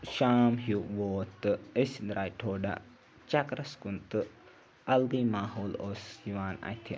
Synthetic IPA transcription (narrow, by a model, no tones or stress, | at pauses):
ʃaːmɦuʋoːt̪ɨəsʲd̪ɾʔaːjʈʰoːɖa̰ | t͡ʃɐkɾɐskunt̪ɨ | ɐlɡimaːɦoːloːsiʋaːnɐ̰t̪ʰi